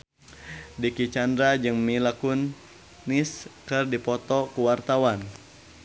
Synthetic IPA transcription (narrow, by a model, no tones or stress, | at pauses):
dikit͡ʃandɾad͡ʒɨŋmilakunː | iskɨrdipɔt̪ɔkuwart̪awan